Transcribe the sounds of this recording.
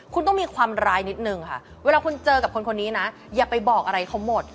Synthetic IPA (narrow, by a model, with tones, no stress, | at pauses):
kʰu˧nt̪ɔ˥˩ŋmiː˧kʰwaː˧mɾaː˦˥jni˦˥t̪̚nɯ˨ŋkʰa̰˥˩ | weː˧laː˧ku˧nt͡ɕɤː˧ka˨˩p̚kʰo˧nkʰo˧nːiː˦˥na˦˥ | jaː˨˩pa˧jbɔː˨˩k̚ʔa˧ɾa˧jt̪ʰa˦˥wmo˨˩t̪̚